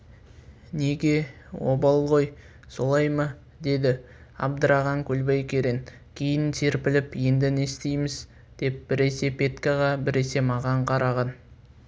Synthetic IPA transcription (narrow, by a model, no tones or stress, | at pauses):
neɡʲe̞wo̞̰bɑlˠʁo̞j | so̞lˠɑjmɑ | d̪e̞d̪ɪ | ɑ̰bd̪əɾɑʁɑŋkʲʰɵlbejkʲe̞ɾen | kʲʰe̞jɪnsʰeɾpɪlɪpje̞nd̪ɪne̞st̪ejmɪz | d̪̥e̞p̚b̥ɪɾe̞se̞pʰʲe̞t̪kaʁɑbɪɾe̞se̞mɑʁɑɴqʰɑɾɑʁɑn